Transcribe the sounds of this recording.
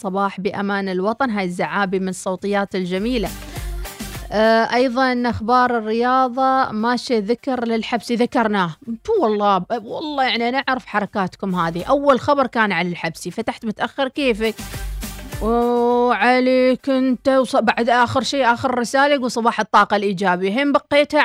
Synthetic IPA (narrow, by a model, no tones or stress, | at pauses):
sˤɑbɑːħbəʔamaːnɪlwɑt̪ˤɑnɦaːjɪzːaʕaːbimɪnɨsˤːowt̪ˤɨjːaːt̪ɪld͡ʒamiːla | ʔɑjðˤɑʔnʔaxbɑːɾˤɪrːɪjɑːðˤɑmaʃiðɪkɑɾlɪlħabsiðakɑɾˤnaːht̪uwɑlˤːɑːwɑ̰lˤːɑːjaʕniʔanʔaʕɾɪfħɑɾˤɑkaːt̪kʊmɦaːðiʔawːalxabɑɾˤkaːnʕalalħabsifat̪aħt̪mʊt̪ʔaxːɪɾkeːfɪk | ʕaleːkʔɪnt̪awsˤbaʕd̪ʔaːxəɾʃeːʔaːxəɾːɪsaːlaɡuːlsˤɑbɑːħɨt̪ˤːɑːqɑlʔiːd͡ʒaːbiɦeːmbɑqːeːt̪ha